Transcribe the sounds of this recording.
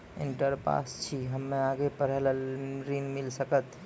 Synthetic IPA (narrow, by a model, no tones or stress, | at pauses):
ɪ̰̃ɳʈəɾpa̰ːst͡ʃʰiɦəmːẽaːɡepəɾ̤ələɾinmɪlsəkət̪